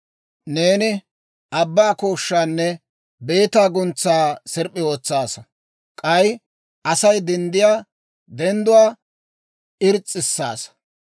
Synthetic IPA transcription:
ne̞ːnɪ | ʔɐbːaːkoːʃːaːnːɛ | be̞ːt̪aːɡʊnt͡sːaːsɛɾpʼːɪo̞ːt͡sːaːsɐ | kʼɐj | ʔɐsɐjd̪ɛnd̪ɪjaː | d̪ɛnd̪ʊwaː | ɪɾt͡sʼːɪsːa̰ːs

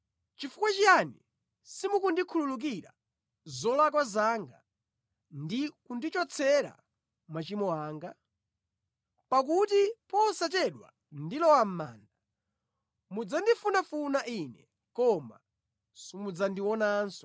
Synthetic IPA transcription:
t͡ʃifukwat͡ʃijani | simukundikʰululuk̬iɾa̰ | zɔlak̬wazaŋɡa | ndikundit͡ʃɔt͡sʰɛɾa̰ | mat͡ʃimɔaːŋɡa | pak̬utipɔsat̬ɛɗwa̰ | ndilɔwam̩maːnda | mud͡zandifunafunaʔinɛ | kɔma̰ | sɔmud͡zandiwɔnaːnsɔ̥

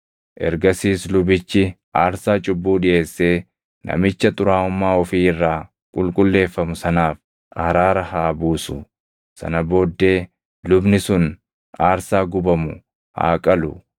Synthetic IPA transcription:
ʔɛ̰ɾɡɐsiːslʊbɪt͡ʃːɪ | ʔaːɾsaːt͡ʃʼʊbːuːᶑɪjʔe̞ːsːe̞ː | nʔɐ̰mɪt͡ʃːɐt̪ʼʊɾaːʊmːaːɔfiːɪrːaː | kʼʊlkʼʊlːe̞ːfːɐmʊsɐnaːf | ʔɐɾaːɾɐhaːbuːsʊ | sɐ̰nɐbo̞ːd̪ːe̞ː | lʊbnɪsʊn | aːɾsaːɡʊbɐmʊ̰ | ha̰ːkʼɐlʊ̰

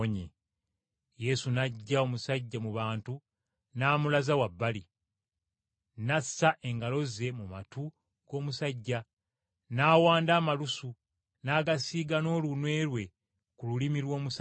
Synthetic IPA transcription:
ɲḛ | je̞sunaɟːao̞musaɟːamuβaːntu | naːmulazawabːali | nasːaʔe̞ŋɡalo̞ze̞muma̰tu | ɡ̥o̞ːmusaɟːa | naːwaːndaːmalusu | naːɡasiːɡano̞ːlunwe̞ːɾwe̞ | kululimilwo̞ːmus

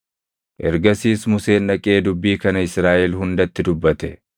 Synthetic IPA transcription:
ʔɛɾɡɐsiːsmʊse̞ːnᶑɐkʼe̞ːd̪ʊbːiːkɐnɐɪsɾaːʔɛlɦʊnd̪ɐt̪ːɪd̪ʊbːɐt̪ɛ

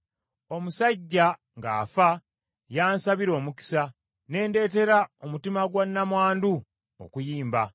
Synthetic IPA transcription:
o̞musaɟːa | ŋɡa̰ːfa | jaːnsaβiɾo̞ːmuki̥sa | ne̞ːnde̞ːte̞ɾaomutimaɡwanːamwaːndu | o̰kujiːmba

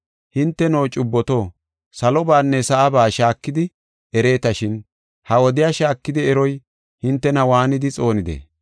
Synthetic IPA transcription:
hɪnt̪ːɛnoːt͡ʃʼʊbːɔt̪o̞ː | sɐlɔbaːnːɛsɐʔɐbaːʃaːkːɪd̪ɪ | ɛɾe̞ːt̪ɐʃɪn | hɐwɔd̪ɪjaːʃaːkːɪd̪ɪɛɾɔj | hɪnt̪ːɛnɐwaːnɪd̪ɪt͡sʼo̞ːnɪd̪ḛː

